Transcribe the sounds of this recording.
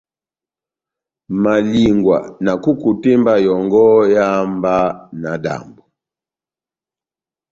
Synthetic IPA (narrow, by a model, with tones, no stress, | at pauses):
ma˨li˨ŋɡwa̰˨na˨ku˦ku˨te˦mba˦jɔ˨ŋɡɔ˦ja˦mba˦na˨da̰˨mbu˨